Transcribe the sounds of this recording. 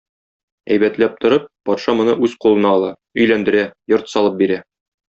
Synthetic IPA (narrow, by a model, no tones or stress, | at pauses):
æ̰jbæt̪læp̚t̪ŏɾɤp̚ːɒt̪ʃɑmŏnɤʔʉzqulˠɤ̆nɑːlˠɑ | ɵ̆jlænd̪ɘ̆ɾæjoɾt̪sɒlˠɤp̚biɾæ